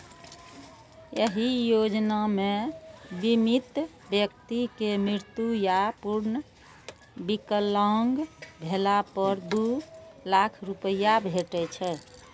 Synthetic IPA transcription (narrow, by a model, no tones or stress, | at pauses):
jəɦijod͡ʒnamebimit̪ | bjək̚t̪ikemɾɪɾt̪jujapuɾnə | bikəlaŋɡbʱelapəɾd̪ulakʰɾupəjabʱeʈɛt͡ʃʰɛ